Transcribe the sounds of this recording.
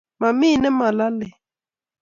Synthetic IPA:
ma˨mi˦˨nɛ˦ma˨la˦lɛ˨

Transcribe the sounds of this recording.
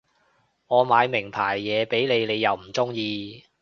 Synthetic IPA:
ŋɔː˨˧maː˨˧jmɪ˨˩ŋpʰaː˨˩jːɛː˨˧pe˨˥jle˨˧jle˨˧jːɐ˨˧wm̩˨˩t͡sʊ˥ŋjiː˧

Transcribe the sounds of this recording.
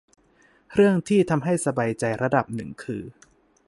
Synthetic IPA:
ɾɯ˥˩əŋt̪ʰiː˥˩t̪ʰa˧mɦa˥˩jsa˧baː˧jt͡ɕa˧jɾa˧da˨˩p̚nɯ˨˩ŋkʰɯː˧

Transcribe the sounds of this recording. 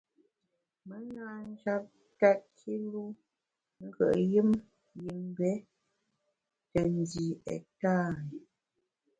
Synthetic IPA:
mə˦naː˦n˦d͡ʒa˦p̚ | ta˦kʰi˦lu˦ | ŋ̩˦ɡə̰˨ʔji˦m | ji˨m˦bɛ˦ | tə˨n˦di˨ɛ̰˨ta˦˨

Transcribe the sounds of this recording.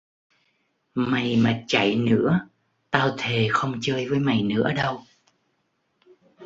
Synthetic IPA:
ma˨˩jmaː˨˩t͡ɕa˧˩jnɨ̰˧˥ə | t̪aː˧wt̪ʰe˨˩xə˧wŋ͡mt͡ɕəː˧jvəː˨˦jma˨˩jnɨ̰˧˥əɗə˧w

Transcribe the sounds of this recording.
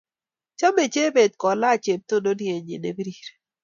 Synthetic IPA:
t͡ʃa˦me˨t͡ʃe˦be˨t̪̚kɔ˨la˦˨t͡ʃe˨p̚t̪o˦do˦nje˨ɲḛ˨ne˨bi˦ɾi˦˨ɾ

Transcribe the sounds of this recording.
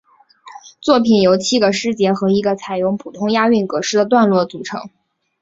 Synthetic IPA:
t͡swɔ˥˩pʰi˨˩njo˧˥ʊt͡ɕʰi˥ɡə˨˩ʂɻ̩˥t͡ɕjɛ˧˥xɤ˧˥i˧˥ɡə˧t͡sʰa˨˩ɪjʊ˧˥˩ŋpʰu˨˩t̪ʰʊ˥ŋja˥y˥˩nkɤ˧˥ʂɻ̩˥˩d̪ə˩t̪wa˥˧nlwɔ˥˩t͡su˨˩ʈ͡ʂʰɤ̰˧˥ŋ

